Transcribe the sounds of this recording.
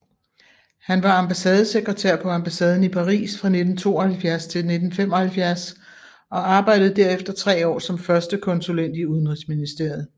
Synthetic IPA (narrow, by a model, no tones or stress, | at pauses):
hænʋɑ̈ɑmb̥æsɛːð̞ˠseɡ̥ʁɐt͡sʰeɐ̰pʰɒ̽æmb̥æsɛːð̞ˠn̩ipʰɑ̈ʁḭːsfʁɑ̈ne̝d̥n̩t͡sʰo̝̰ːɒhælfjæɐst͡sʰe̝lne̝d̥n̩fem̰ɒ̽hælfjæɐs | ɒ̽ɑ̈ːb̥ɑ̈ɪ̰d̥ð̩ˠd̥æɐ̰efd̥ɐt͡sʰʁɛ̰ːɒ̰ːsɒ̽mfɶɐsd̥əkʰɒ̽nsulen̰d̥iuð̞ˠn̩ʁisminisd̥e̝ɐ̰ð̩ˠ